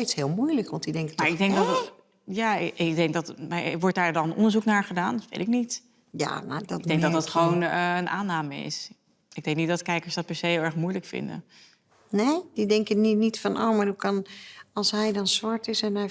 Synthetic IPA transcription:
ejshɪːlˠmujləkʋɑntidɛŋkətmːɹɪɡdɛŋkdɔt | jaːɡ̚dɛŋk̚dɑtmaʋɔɹt̚daːɹdɑnənɔ̰ndəɹzuknaːɹχədaːndtʋḛjtɪknit | ja̰ma̰dɔdɛŋk̚dɔtdɑtχəʋownəənʔa̰ːnaːməɪ̰s | ɪɡ̚dɛŋknit̚dɔtkɛjkəɹsdɑt̚pɛɹsejɦɪlˠɛɹχmujləkfɪ̰ndə̰ | neːdidɛŋkəninitfɔnʔo̰ːmarhukɑnɑlˠsɦɛjdɔnsʋaɹtɪsɛnɛj

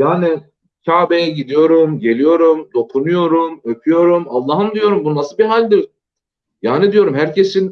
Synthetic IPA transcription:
jaːnɪ | cʰaːbejɛɟid̪ijo̞ɾumɟe̞lʲijo̞ɾumd̪o̞kʰunujo̞ɾumøpʰyjo̞ɾumalˠːaːɦɯnd̪ijo̞ɾumbunnasɯbiɦalʲd̪iɾ | jaːnid̪ijo̞ɾumhæɾcʰe̞sin

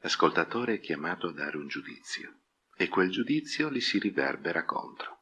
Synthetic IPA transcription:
laskolt̪at̪oːɾeɛkʲːjamaːt̪oad̪ːaːɾeund͡ʒud̪ḭt̪sːjo | ekːweld͡ʒud̪it̪sːjolisirivɛ̰rbeɾako̰nt̪ɾo

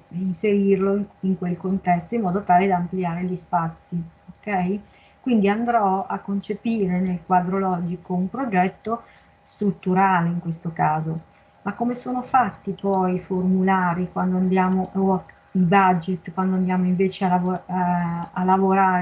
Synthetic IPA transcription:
inseɾirloiŋkwelkont̪ɛst̪oimːɔːd̪ot̪aːled̪aampliaːɾeʎispat̪sːiokɛj | kwind̪iand̪ɾɔakːont͡ʃepiːɾenelkwaːd̪ɾolɔːd͡ʒikoumpɾod͡ʒɛt̪ːo | st̪ɾut̪ːuɾaːleiŋkwest̪okaːzo | makːomesoːnofat̪ːipɔjformulaːɾikwand̪oand̪jaːmoʔo | ibad͡ʒet̪ːkwand̪oand̪jaːmoiɱveːt͡ʃealav | alavoɾaːɾ

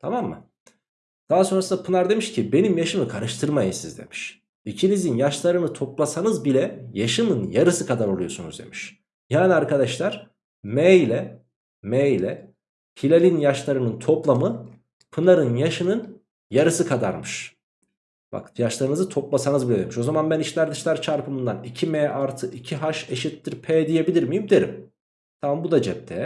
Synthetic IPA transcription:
t̪ʰamamːɯ̰ | d̪̥aɦaso̞nɾasɯnd̪apʰɯnaɾd̪e̞miʃcʰibe̞nimjaʃɯmɯkʰaɾɯʃt̪ʰɯɾmajisizd̪ḛmi̥ʃ | icʰinizinjaʃlˠaɾɯnɯt̪ʰo̞plˠasanɯzbilʲɛjaʃɯnɯnjaɾɯsɯkʰad̪aɾo̞lˠujo̞sunṵzd̪e̞̰miʃ | jaːnʲiaɾkʰad̪aʃlˠaɾ̥ | mɛjlʲɛ | mɛjlʲɛ | hilʲelʲinjaʃlˠaɾɯnɯnt̪ʰo̞plˠamɯ | pʰɯnaɾɯnjaʃɯnɯn | jaɾɯsɯkʰad̪a̰ɾmɯʃ | b̥a̰kjaʃlˠaɾɯnɯzɯt̪ʰo̞plˠasanɯzbilʲɛd̪emiʃo̞zamanbæniʃlʲæɾd̪iʃlʲæɾt͡ʃʰaɾpʰɯmɯnd̪anicʰimɛːʔaɾt̪ʰɯʔicʰiɦaʃe̞ʃit̪ːiɾpʰɛːd̪ije̞bilʲiɾmijimd̪e̞ɾḭm | t̪ʰamambud̪ad͡ʒɛp̚t̪ʰɛ̰

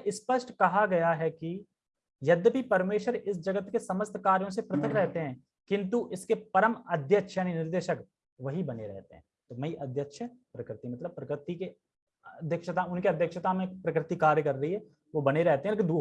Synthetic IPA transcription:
ʔɪspəʃʈkɐɦaɡɐjaɦɛki | jɐd̪bʱipɐɾmeːʃwəɾɪsd͡ʒɐɡət̪kesɐməst̪ʰkaːɾjõs̬epɾɐt̪ʰənɾɛɦt̪eɦɛ̃ː | kɪ̃nt̪uʔɪskepɐɾəmɐd̪ʱjəkʃʰjaːninɪɾd̪eːʃək | ʋɐɦibɐneɾɛ̰ɦt̪ḛɦɛ̃ːt̪omɐiʔɐd̪ʱjəkʃəpɾɐkɾɪt̪imɐt̪ləb̚pɾɐkɾɪt̪ike | ɐɐd̪ʱjəkʃət̪aʊnkeɐd̪ʱjəkʃət̪amẽpɾɐkɾɪt̪ikaːɾjəkɐɾːɐɦiɦɛ | ʋobɐneɾɛɦt̪eɦɛ̃lekɪ̃d̪u

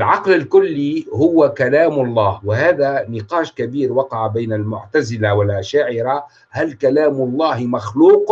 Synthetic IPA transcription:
ɪlʕɑqlɪlkʊlːihʊwakalaːmlˤːɑːhwɪhaːðanɪqɑːʃkabiːɾwɑqɑʕbajnalmʊ̰ʕt̪azɪlawɪlʔaʃaːʕɪɾa | halkalaːmʊlˤːɑːhmaxluːq

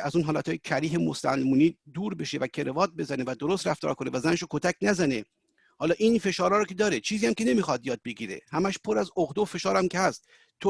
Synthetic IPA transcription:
æzuːnɦɒːlæt̪ʰɒːjecʰæɾiːɦemo̰sæ̰lmuːniːd̪uːɾbe̞ʃe̞væcʰe̞ɾevɒːd̪̚be̞zænevæd̪oɾost̪ɾæft̪ɒ̰ːɾkʰo̞ne̞væzæneʃokʰot̪ʰæcnæzæne | hɒːlɒːʔinfe̞ʃɒːɾɒːɾɒkʰe̞d̪ɒːɾet͡ʃʰiːziːhæmkʲene̞miːxɒd̪jɒːd̪̚be̞ɡiːɾḛhæmæʃpʰoɾæzoɣd̪oofe̞ʃɒːɾæmcʰe̞hæst̪ | t̪ʰːo

